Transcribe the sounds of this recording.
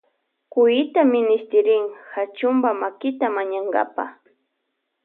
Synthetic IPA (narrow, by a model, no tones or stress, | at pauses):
kʊjɪt̪amɪnɪst̪ɪɾɪŋhat͡ʃʊmbamakɪt̪amaɲaŋɡa̰pa̰